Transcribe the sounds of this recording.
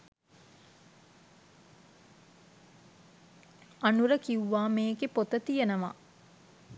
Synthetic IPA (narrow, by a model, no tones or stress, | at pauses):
anuɾəkiuʋaːmeːɡepot̪ət̪ijenəʋa̰